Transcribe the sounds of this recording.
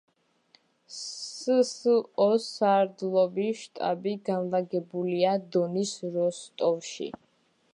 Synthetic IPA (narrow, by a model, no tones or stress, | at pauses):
sɔsaɾd̪lˠɔbiʃt̪ʼa̰biɡanlaɡɛbuliad̪ɔnisɾɔst̪ʼɔvʃḭ